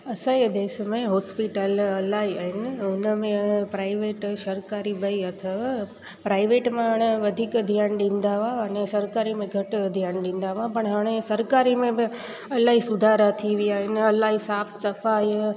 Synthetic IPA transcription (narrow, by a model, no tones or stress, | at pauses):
əsajd̪eːʃmẽɦɔːspiʈələlaiəɦɪnɪʊnəmẽpɾaːɪʋeːʈʃəɾkaːɾibəiət̪ʰə | pɾaːɪʋeʈmãəɽ̃eʋɐd̪ʱikd̪ʱijaːnɖĩnd̪aʋãənesɐɾkaːɾimẽɡʱəʈd̪ʱjaːnɖĩːn̆d̪aʋãpəɽ̃ɦaɽ̃esəɾkaɾimẽb | ɐlaɦisʊd̪ʱaɾat̪ʰiʋiaɦɪnɐlaisaːpʰsəfaj